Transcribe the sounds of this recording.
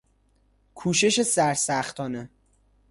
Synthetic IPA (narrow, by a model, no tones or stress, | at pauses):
kʰuːʃeʃe̞sæɾsæxt̪ʰɒːne